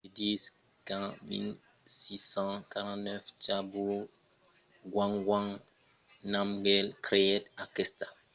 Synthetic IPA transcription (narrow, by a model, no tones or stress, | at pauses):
edis | kãmḭ̃n | sisãkaɾãnɛft͡ʃabu | ɡwãŋɡwãŋ | nãmɡɛlkɾeɛtakɛsta